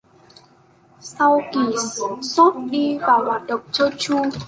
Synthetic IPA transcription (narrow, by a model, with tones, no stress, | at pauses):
sa˧wki˨˩so˦˥t̚ɗi˧vaː˨˩whaː˨˩t̚ɗə˨˩wŋ͡m̚t͡ɕɔ˧t͡ɕu˧əŋ